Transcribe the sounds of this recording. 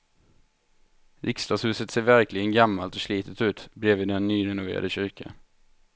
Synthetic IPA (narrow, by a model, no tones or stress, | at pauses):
ɾʔɪkst̪ɑːshʉ̟ːsət̪seːɾvæɾklɪɡənɡamːalt̪ɔʂliːt̪ʰət̪ʉ̟ːt̪bɾeːviːd̪ɛnːyːɾɛnʊvḛːɾa̰d̪əɕʏɾkʰa̰n